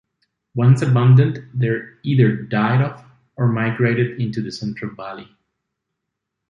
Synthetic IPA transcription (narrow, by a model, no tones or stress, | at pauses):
wʌ̃nsəbʌ̃ndə̃ntðɛɹiðə˞daɪɾɔf | əɹmaɪɡɹeɪɾɨdɪ̃ntuðɨsɛ̃ntʰɹ̥əlˠbali